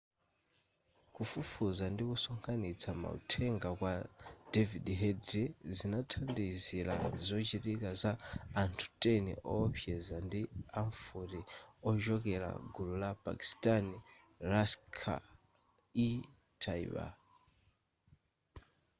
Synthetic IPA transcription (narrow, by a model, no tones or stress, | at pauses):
kufufuzandikusɔŋkʰanit͡sʰama̰ṵtʰɛŋɡakwad̥ɛvidɦɛdɾizinatʰandiziɾa̰zɔt͡ʃitikazaːntʰu̥tʼɛnḭʔɔːpʰjɛzandiaɱfuɾiɔʒɔkɛɾa̰ɡululapʼa̰ki̥stʼani | ɾaskʰa̰ | i | tʰaḭβa̰